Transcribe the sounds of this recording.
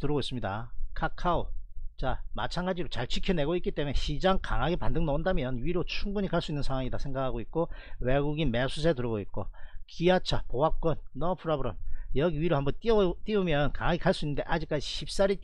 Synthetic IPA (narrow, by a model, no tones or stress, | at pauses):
tɯɾʌɡois͈ɯmɲidakʰakʰaot͡ɕama̰t͡ɕʰanɡad͡ʑiɾot͡ɕaɭt͡ɕʰikʰʌne̞ɡoik͈it͈emueɕʰid͡ʑaŋkaŋaɡepandɯŋnʌndamjʌnɥiɾot͡ɕʰuŋɡuɲikaɭs͈uinːɯnsʰaŋwaŋidasʰe̞ŋɡakʰaɡoit̚k͈owe̞ɡuɡinmesʰus̬ʰetɯɾʌɡoit̚k͈okiat͡ɕʰapoak̚k͈ʌnːʌpʰuɾabɯɾʌnjʌɡiɥiɾohambʌnt͈t͈iumjʌnkaŋaɡikʰaɭs͈uinːɯnde̞ʔad͡ʑik͈ad͡ʑiɕʰip̚s͈aɾi